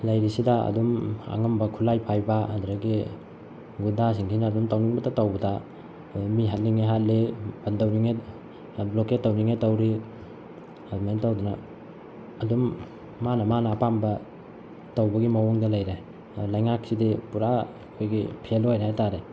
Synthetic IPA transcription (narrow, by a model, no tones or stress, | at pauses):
lajɾisidaɐ̰duma̰ŋɐmbɐkʰulajpʰajbaadɾaɡi | ɡundas̬iŋtʰinaːdumtawniŋbɐtatawbɐda | miɦat̚liŋeɦat̚leb̥ɐndawniŋe | bloket̚ːawniŋetawɾi | mantawdunɐː | dumː | anɐmanɐːpambɐ | tawbɐɡimawoŋdɐlajɾaj | lɐjŋak̚sidipuɾa | kʰojɡḭpʰelojɾajtaɾe